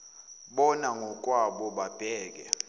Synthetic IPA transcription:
ɓɔnaŋʱɔkʼwaɓɔɓab̥ʱɛːk̬ɛ

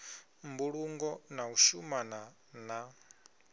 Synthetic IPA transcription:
mbuɺuŋɡɔnauʃumana | na

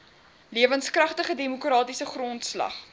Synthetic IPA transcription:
liəvənskrɐχtəχədemukrɑːtisəχrɔntslɐ̰χ

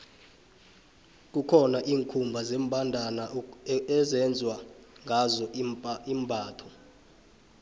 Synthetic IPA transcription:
k̬ʼukʰɔnaʔiːŋkʰumbʱazeːm̩bʱandʱanaɛzɛnd͡zʱwaŋɡʱazɔimbʱaːtʰɔ

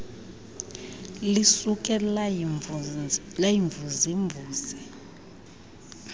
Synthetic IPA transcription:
lisuk̬ʼɛ | lajiɱvuziɱvuːzi

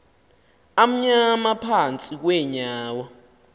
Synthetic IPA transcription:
am̩ɲamapʰant͡sʼik̬wɛɲaːwa

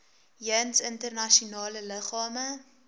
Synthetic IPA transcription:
jənsəntərnɐʃiunɑːlələχɑːmə

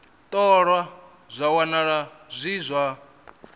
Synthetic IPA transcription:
t̪ʼɔɺwa | zʷawanaɺazʷizʷa

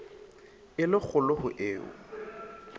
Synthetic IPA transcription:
ɪlɪk͡xʰʊlʊhʊʔeːʊ̰

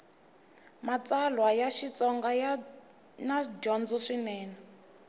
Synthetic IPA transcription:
mat͡salwajaʃit͡sɔŋɡaja | nad͡ʒɔnd͡zɔʂinɛːna

